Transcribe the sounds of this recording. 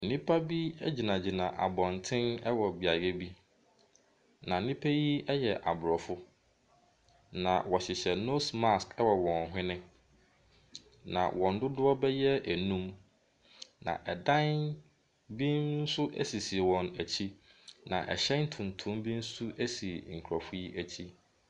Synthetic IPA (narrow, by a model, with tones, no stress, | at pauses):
nĩ˦pʰa˦bi˦ɛ˦d͡ʑi˨nã˨d͡ʑi˨nã˨ʔa˨bɔ̃˨ntʰɪ̃˦nɛ˦wɔ˨bi˨a˨ɡe˦bi˦ | nã˨nĩ˦pʰæ˦ji˦ɛ˦jɛ˨ʔa˨bʊ˨ɾɔ˨fʊ˦ | nã̰˨wɔ˨ɕɪ˨ɕɛ˨no˦sma˦skʰɛ˦wɔ˨wɔ̃˨n˨ɦɪ̃˦nɪ̃˦ | nã̰˨wɔ̃˨n̩˦dʊ˦dʊ˦ɔ˦bɛ˦jɛ˦æ˨nũ˦m | nã̰˨ʔɛ˨dã˦n | bĩ˦nn̩˦sʊ˦ʔæ̰˦si˨si˨wɔ̃˨næ˨t͡ɕʰi˦nã̰˨ʔɛ̰˨ɕɛ˦n̩˦tʰʊ̃˨n˨tʰʊ̃˦mbĩ˦n̩˦sʊ˦ʔæ˦si˨ŋ̩˨kʰɾɔ˨fʊ˦ji˦ʔæ˨t͡ɕʰi˦